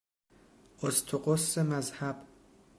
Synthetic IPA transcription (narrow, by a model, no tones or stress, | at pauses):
ost̪ʰoqosːemæzhæb